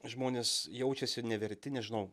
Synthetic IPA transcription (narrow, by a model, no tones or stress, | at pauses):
ʒmoːnʲeːsjɛʊt͡ʃʲɛsʲɪnʲɛʋʲɛɾʲt̪ʲɪnʲɛʒʲɪnɐʊ